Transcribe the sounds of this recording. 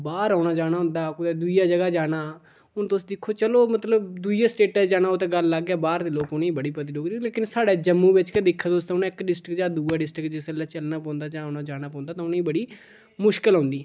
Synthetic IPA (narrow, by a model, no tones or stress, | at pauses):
baːɾaːnaːd͡ʒaːɽ̃aːɦʊ̃nd̪aːkʊd̪eːd̪uijaːd͡ʒəɡaːd͡ʒaːɽaː | ʊnt̪oʊːsd̪ɪkʰːoːt͡ʃəloːmət̪ləbd̪ud͡ʒaːsʈeːʈɛːd͡ʒaːnaːoːt̪ẽːɡəlːaɡɛːbaːɾd̪eːloːkʊniːbəɽiːpət̪̬iːloːɡ̪ileːkɪnsaːɽeːd͡ʒəmːũːʋɪt͡ʃked̪ɪkʰːaːt̪ost̪ãʊnːɪkɖɪsʈəkd͡ʒaːd̪uːaːɖɪsʈɾəkd͡ʒɪsəlːaːt͡ʃəlnaːpɔ̃ːnd̪aːd͡ʒaːnaːd͡ʒaːɽ̃aːpɔ̃ːnd̪aːt̪ãːʊnːiːbəɽiː | mʊʃkəlɦõːnd̪iː